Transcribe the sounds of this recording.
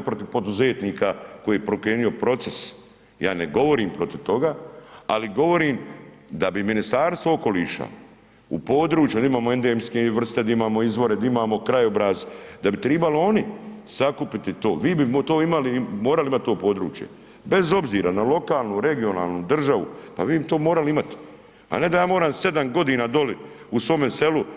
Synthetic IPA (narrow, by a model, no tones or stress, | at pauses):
pɾot̪iʋpo̞d̪uze̞ːt̪niːkako̞jiːjepɾokɾeːnijo̞pɾo̞t̪se̞s | jaːneɡo̞ʋo̞ɾiːmpɾo̞t̪iʋt̪o̞ɡaːaliɡo̞ʋo̞ɾiːm | d̪abiminist̪aːɾst̪ʋooko̞liːʃa̰ | ṵpo̞ːd̪ɾuːt͡ʃjud̪aimaːmoe̞nd̪eemskeʋr̩st̪ed̪aimaːmo̞izʋo̞ɾed̪aimaːmo̞kɾajobɾazd̪abit̪ɾebalio̞nisakupit̪it̪o̞ːʋiːbit̪oːimalimo̞ːɾalimat̪̚ʲt̪o̞ːpo̞ːd̪ɾṵːt͡ʃjḛ | be̞zo̞bziːɾanalo̞kaːlˠnuɾe̞ɡio̞na̰ːlnuːd̪r̩ʒaʋṵpa̰ʋiːbit̪oːmo̞ːɾaliimat̪ | a̰ne̞d̪ajaːmo̞ːɾaːmse̞d̪amɡo̞d̪iːnaːd̪o̞li | usʋo̞ːmese̞lu